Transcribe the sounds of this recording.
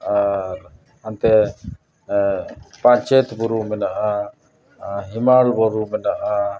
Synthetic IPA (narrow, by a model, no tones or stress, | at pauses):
a | ant̪ɛ | pãt͡ʃɛt̪buɾumɛnaʔa | ɦimalbɔɾumɛnaʔa